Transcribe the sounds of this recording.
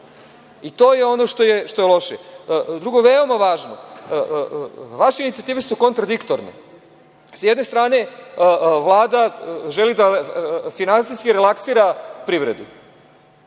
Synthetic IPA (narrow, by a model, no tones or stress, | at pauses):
it̪o̞ːjeo̞no̞ʃt̪o̞jeʃt̪ojelˠo̞ʃed̪ɾuɡoʋeo̞maʋaːʒno | ʋaʃeinit̪siat̪iːʋesuko̞nt̪ɾad̪ikt̪oɾnḛ | sjed̪ne̞st̪ɾaːne̞ | ʋlˠaːd̪aʒelid̪afinansiskiɾelaksiːɾapɾiʋɾed̪u